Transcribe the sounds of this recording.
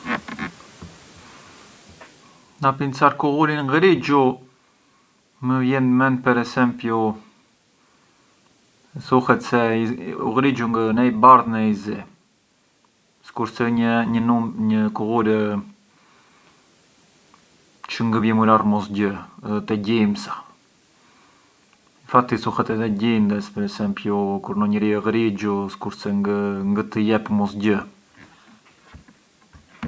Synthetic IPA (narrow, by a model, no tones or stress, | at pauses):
napint͡saɾkuɣuɾinŋɡɾid͡ʒu | məvjɛnmɛnpɛɾɛsɛmpju | θuhɛt̪sɛṵɣɾid͡ʒuŋɡənɛibaɾðnəizɛ | skuɾsɛəɲənumɲəkuɣuɾə | t͡ʃəŋɡəvjɛmularmɔsɟət̪ɛɟimsḁ | ifat̪isuxɛt̪ɛðɛɟind̪ɛspəɾɛsɛmpjukuɾnɔɲəɾiɔɣɾid͡ʒuskuɾsɛŋɡəŋɡət̪əjɛpmɔsɟə